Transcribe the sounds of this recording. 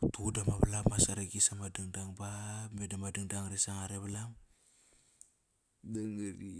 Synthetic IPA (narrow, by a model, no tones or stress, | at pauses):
tudamaβalamasaɾeɡisamadiŋdaŋbamedamadiŋdaŋɾesaŋaɾeβalam | daŋɾi